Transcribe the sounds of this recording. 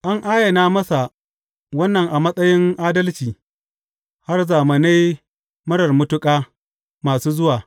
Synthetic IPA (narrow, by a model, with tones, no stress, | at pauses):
ʔa˦ŋʔaː˦jɐ˨naː˦mɐ˦sa˨ | wɐ˦nːɐ˨ŋʔa˨mɐ˦sʼɐ˦jɪ˦ŋʔaː˦dɐ˦lt͡ʃiː˨ | ha˦rzaː˨mɐ˨na˦j | mɐ˦ɽɐ˨rmʊ˦tʊ˦kʼaː˦ | maː˨suː˦zʊ˦waː˨